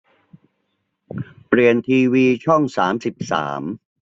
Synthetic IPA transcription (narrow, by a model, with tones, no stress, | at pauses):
pli˨˩ənt̪ʰiː˧wiː˧t͡ɕʰɔ˥˩ŋsaː˩˦msi˨˩p̚sa̰ː˩˦m